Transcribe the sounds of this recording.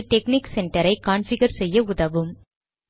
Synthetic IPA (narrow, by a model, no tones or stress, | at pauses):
ʈɛkniksɛɳʈɐɾɐɪkaːnfɪɣɐɾsɛjːɐʊðɐʋɯm